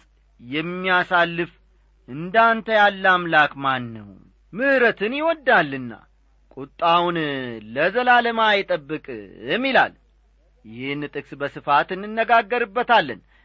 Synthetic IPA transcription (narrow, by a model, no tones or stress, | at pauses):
jɛmːijasalːɨf | ʔɨnd̪ant̪ʰəjalːəamlakmanːə̰w | mɨhɾət̪ʰɨnjɪwɔd̪ːalːɨnːa̰ | kʼut̪ʼːawnləzəlaləmajɪt̪ʼəbːɨkʼmːila̰l | jɪhnɨt̪ʼɨkʼsbəsɨfat̪ɨnːɨnːəɡaɡːəɾɨbːət̪alːə̰n